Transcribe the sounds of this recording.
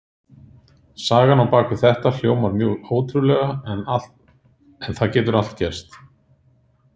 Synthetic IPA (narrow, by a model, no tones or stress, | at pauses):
saːɣanawpaːkɪθɛht̪al̥joːwmvaɾmjœːɣoːwt̪ɾʏlɛɣana | ɛnθaðcɛːt̪ʏɾal̥t̪cɛɾ̥st̪